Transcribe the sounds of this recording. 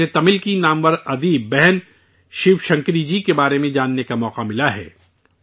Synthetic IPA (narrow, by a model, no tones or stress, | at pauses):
et̪ɐmɪlkinaːmʋəɾɐd̪iːbɛɦɛn | ʃɪʋʃɐ̃ŋkɾid͡ʒikebaːɾemẽd͡ʒaːnːekamɔːqamɪlaɦɛ̰ː